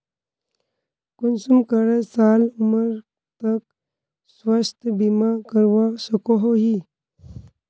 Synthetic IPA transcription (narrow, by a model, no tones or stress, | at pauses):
kunsumkəɾesaːluməɾ | t̪ək̚ | swəst̪ʰbimakəɾʋasəkoɦoɦi